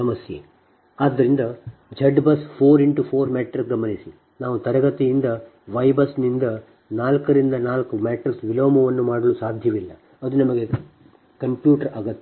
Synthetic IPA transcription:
ɐmɐsjḛ | aːd̪ːɐɾind̪ɐd͡ʒɐɖbɐspʰoːɾiɳʈupʰoːɾmeːʈɐɾsɡɐmɐnisi | naːʋut̪ɐɾɐɡɐt̪ijind̪ɐ | ʋɐjbɐsnind̪ɐ | naːlkɐɾind̪ɐnaːlkumeːʈɐɾsʋiloːmɐʋɐnːumaːɽɐlusaːd̪ʱjɐʋilːɐ | ɐd̪unɐmɐɡe̞ | kɐmpjuːʈɐɾɐːɡɐt̪ːe

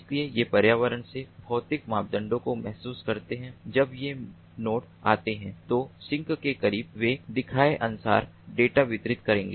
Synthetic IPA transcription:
sliejepɐɾjaːʋəɾənsebʱɔːt̪ɪkmaːp̚d̪ə̃ɳɖõkomɛɦsuːskɐɾt̪eɦɛ̃d͡ʒɐbje | noːʈ | aːt̪eɦɛ̃t̪osɪ̃ŋkkekɐɾiːbʋed̪ɪkʰaːeʔɐnʊsa̰ːɾ | ɖeːʈaʋɪt̪ɾɪt̪kɐɾẽːŋɡeː

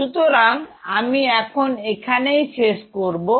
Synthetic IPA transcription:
ut̪oɾaŋamiɛkʰonekʰanejʃeʃkoɾbo

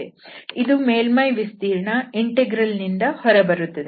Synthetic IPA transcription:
eid̪ume̞ːlmɐjʋist̪iːɾɳɐiɳʈeɡɾɐlnind̪ɐhɔɾebɐɾut̪ːɐd̪e

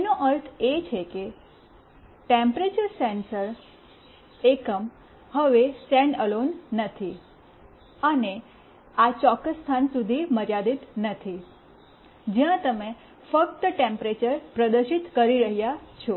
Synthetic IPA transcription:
noʔəɾt̪ʰet͡ʃʰeke | ʈempɾet͡ʃəɾsensəɾ | ekəm | həʋesɛɳəlonːət̪ʰi | əne | at͡ʃɔkːəsːt̪ʰansud̪ʱiməɾjad̪it̪nət̪ʰi | d͡ʒjãt̪əme | fək̚t̪əʈempɾet͡ʃəɾpɾəd̪əɾʃit̪kəɾiɾəɦjat͡ʃʰɔ

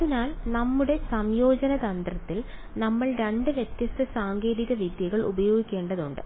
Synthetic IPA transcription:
ɐðinaːlnɐmːuɽe̞sɐmjo̞ːd͡ʑɐnɐd̪ɐnd̪rɐt̪ːil | nɐmːɐɭɾeɳɖɨʋjet̪jɐst̪ɐsaːŋɡe̞ːɾiɣɐʋid̪jɐɣɐɭṵbɐjo̞ːɡikʲːe̞ːɳɖɐðuɳɖɨ̰

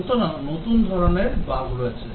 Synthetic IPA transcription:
t̪onanot̪und̪ʱɔɾoneɾbaɡɾoet͡ɕʰe

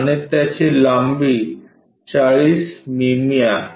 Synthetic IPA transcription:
net̪ɛt͡ɕʰelambi | t͡ɕaɭismimija

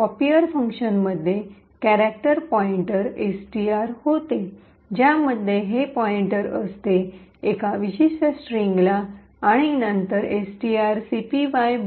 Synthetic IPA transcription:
pɔpiəɾfə̃ŋkɕənməd̪ʱje | kæɾæk̚ʈəɾpɔiɳʈəɾesʈiaɾhot̪e | d͡ʑjaməd̪ʱːjeɦepɔiɳʈəɾəst̪e | ekaʋiɕeɕʈəsʈɾiŋɡlaː | ɽ̃inənt̪əɾesʈiaɾsipiʋaj

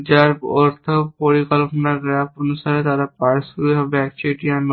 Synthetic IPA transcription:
d͡ʒaɾɔɾt̪ʰəpoɾikəlpnaɡɾapənusaːɾet̪aɾapaɾsɦɔbɛːk̚t͡ʃeʈijan

